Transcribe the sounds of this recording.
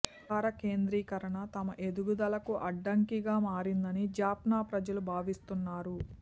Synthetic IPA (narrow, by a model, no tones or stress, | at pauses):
aːɾɐke̞ːnd̪ɾiːkɐɾɐɳɐt̪ɐmɐʔed̪uɡud̪ɐlɐkuʔɐɖːɐŋkiɡaːmaːɾind̪ɐnid͡ʒaːpnaːpɾɐd͡ʒɐlubʱaːʋist̪unːaːɾu